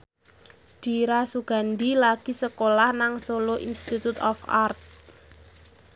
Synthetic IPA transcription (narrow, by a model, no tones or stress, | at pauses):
d̥i̤ɾasuɡ̥a̤nd̪ilaɡ̥i̤səkolahnaŋsoloʔinst̪it̪ut̪ɔfa̰rt̪̚